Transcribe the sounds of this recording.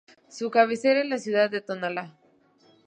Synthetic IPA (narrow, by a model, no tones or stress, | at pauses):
sukaβ̞eseɾenlasjuðaðːet̪onala